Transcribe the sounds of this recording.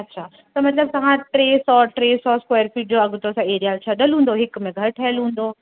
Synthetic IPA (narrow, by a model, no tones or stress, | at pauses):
ɐtːɕʰaː | t̪ɐmɐt̪ləb̚t̪ɐʋ̤ãʈɾeːsɔːɾʈɾeːsɔːskweːɾfiɖoɐɡʱʊt̪osãeːɾijaːlt͡ɕʰɐɗəlɦũːn̆d̪oɦɪk̆mẽɡʱɐɾʈʰɐəlɦũːn̆d̪oː